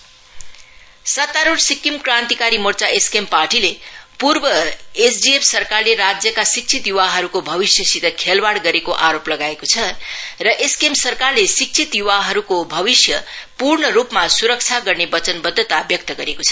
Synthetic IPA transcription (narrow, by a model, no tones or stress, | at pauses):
sʌt̪ːaɾuʈsikːimkrãnt̪ikaɾimort͡saʔeskemparʈilepurbʌesdiepʰsʌrkarleɾad͡zjʌkasik̚t͡sʰit̪juwaɦʌɾukobʱʌbisjʌsit̪ʌkʰelbaɽɡʌɾekoʔaɾoplʌɡaekot͡sʰʌrʌʔeskemsʌrkarlesik̚t͡sʰit̪juwaɦʌɾukobʱʌbisjʌpurɳʌɾupmasuɾʌk̚t͡sʰaɡʌrnebʌt͡sʌnbʌd̪ʱːʌt̪abjʌk̚t̪ʌɡʌɾekot͡sʰʌ̥